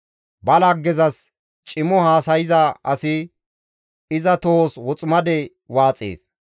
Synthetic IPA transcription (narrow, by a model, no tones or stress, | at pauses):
bɐlɐɡːɛzɐs | t͡ʃʼɪmɔhaːsɐjɪzɐʔɐsɪ | ɪzɐt̪oːswɔt͡sʼmɐd̪ɛ | waːt͡sʼḛːs